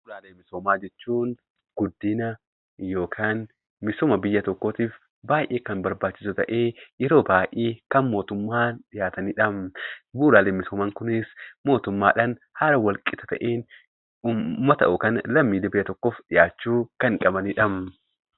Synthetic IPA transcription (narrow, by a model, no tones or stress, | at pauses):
buːlaːleːmːɪsoːmaːd͡ʒɛt͡ʃːuːn | ɡ̥ʊd̪ːɪnɐ | jo̞ːkʰaːn | mɪsɔːmɐbɪjːɐt̪ɔkːoːt̪iːf | baːjʔeːkɐnbɐɾbaːt͡ʃːɪsʊt̪ɐʔe̞ːjɛɾo̞ːbaːʔeːkɐnmo̞ːt̪ʊmːaːnɗɪjaːt̪ɐniᶑɐmbuːlaːleːmɪsoːmaːŋkʊnɪsmo̞ːt̪ʊmːa̰ːᶑɐnhaɾɐwɐlkʼɪt̪ɐ̥t̪ɐʔeːn | umːɐt̪ɐ̰ʔʊkɐnlɐmːiːd̪ɛbɪjːɐt̪ɔkːoːfɗɪjaːt͡ʃːuːkɐŋkʼɐbɐniᶑɐm